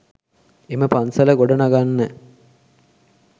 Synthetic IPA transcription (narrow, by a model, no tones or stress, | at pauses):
eməpansɐləɡoɖɐnaɡanːə